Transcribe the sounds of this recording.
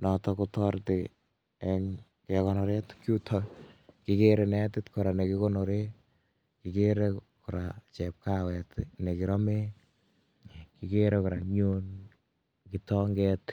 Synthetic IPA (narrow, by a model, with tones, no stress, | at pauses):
nɔtɔ˧kutɔɾte˨ | ɛŋ | kɛkɔnɔ˨ɾe˦tkju˦tʰɔki˦keɾe˨nɛ˦tɪ˦tkɔ˨ɾa˨ne˨ki˦ko˦nɔ˨ɾe˦ | kike˦ɾe | ku˨ɾa˨t͡ʃɛ˨p̚kawɛ˨tne˨ki˨ɾɔ˦me˦ | ki˨ke˦ɾeku˨ɾa˨ɲun | kitɔŋɡɛt